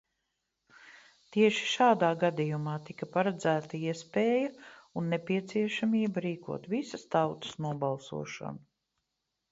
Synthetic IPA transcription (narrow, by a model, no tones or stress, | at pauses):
t̪iɛʃi̥ʃaːd̪aːɡad̪ijumɑːt̪ikɐpaɾad̪zæːt̪ɐiɛspɛːjɐunːɛpiɛt̪siɛʃamiːbɐɾiːkṵɔt̪visɐst̪awt̪ɐ̥snuɔbalˠsṵɔʃa̰nu